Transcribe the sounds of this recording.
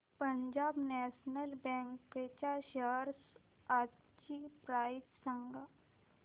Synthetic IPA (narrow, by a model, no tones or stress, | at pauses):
pəɲd͡ʑaːbnɛːʃnəlbɛ̃ːŋket͡ɕaʃəɦɾs | a | t͡ʃipɾaːɪt̪səŋɡa